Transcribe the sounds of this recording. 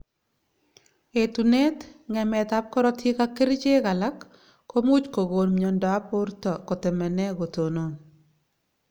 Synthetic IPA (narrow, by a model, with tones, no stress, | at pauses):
e˨t̪u˨ne˦t̪ŋɛ˨mɛ˨t̪a˦p̚kɔ˦ɾɔ˦tʰi˦ka˦ke˦ɾt͡ʃe˦ɣa˨la˦kː | o˦mu˦t͡ʃko˨ɡo˨nmɲɔ˨ndɔ˨a˦pʊ˦ɾtɔ˨ko˨tɪ˨mɛ˨nɛ˦ɡo˨to˨no˨n